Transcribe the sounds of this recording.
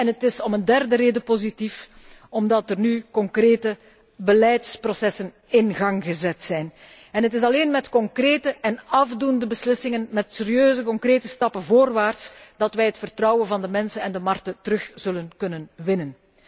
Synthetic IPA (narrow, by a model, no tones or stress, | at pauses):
ɛnɦətɪsɔməndɛrdəɾeːdəpozitif | ɔmdɑtərnykɔŋkreːtə | bəlɛjtsprosɛsən | ɪnɣɑŋɣəzɛtsɛjn | ɛnɦətɪs̬ɑleːnmɛtkɔŋkreːtəʔɛnɑvdundəbəslɪsɪŋənmɛtseɾiøːzəkɔŋkreːtəstɑpənvoːrʋaːrtsd̥ɑtʋɛjɦətfərtrɑwənvɑndəmɛnsənɛndəmɑrk̚tətəɾɵxz̥ɵlənkɵnənʋɪnən